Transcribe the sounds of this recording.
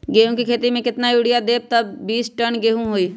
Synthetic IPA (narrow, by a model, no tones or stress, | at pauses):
ɡeːɦũkikʰeːt̪imẽkɪt̪najuːɽɪjad̪eːb̚t̪əbːiːsʈənɡeːɦũɦoːiː